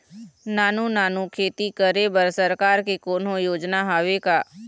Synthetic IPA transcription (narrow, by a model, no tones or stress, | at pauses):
naːnunaːnukʰeːt̪ikəɾebəɾsəɾkaːɾkikoːnojoːd͡ʒnaɦaːʋekaː